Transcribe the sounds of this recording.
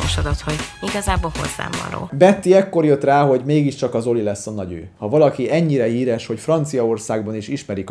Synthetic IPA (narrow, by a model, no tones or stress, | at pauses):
oʃɒd̪ɒt̪ho̞ɟiɡɒzaːboːlho̞̰zːa̰ːmbɒ̰nɾo̰ːbɛt̪ːiɛkːo̞rjøt̪raːɦo̞ɟmeːɡiʃt͡ʃɒkɒzo̞lilɛsːɒnɒɟø̰ːhɒvɒlɒkiɛɲːiɾɛhiːɾɛʃho̞cfrɒnt̪sijɒo̞rsaːɡbɒniʃiʃmɛɾik